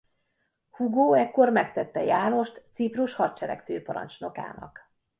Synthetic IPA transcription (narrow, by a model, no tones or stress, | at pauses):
huɡoːɛkːo̞rmɛkt̪ɛt̪ːɛjaːno̞ʃt̪t̪sipruʃhɒrt͡ʃɛɾɛ̰kføːpɒɾɒ̰nt͡ʃno̞ka̰ːnɒ̰k